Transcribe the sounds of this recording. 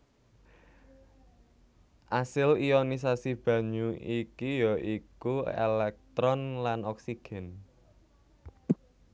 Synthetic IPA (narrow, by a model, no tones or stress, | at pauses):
ʔasɪlijɔnis̬asib̥ä̤ɲuikijɔʔikuḛlɛk̚t̪ɾɔnlanɔksiɡ̥ɛ̤n